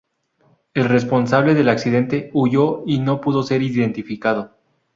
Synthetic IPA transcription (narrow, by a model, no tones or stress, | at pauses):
e̞lre̞spo̞nsaβ̞le̞ðe̞laksið̞e̞nt̪e̞uʝo̞ino̞puðo̞se̞ɾiðe̞nt̪ifikað̞o̞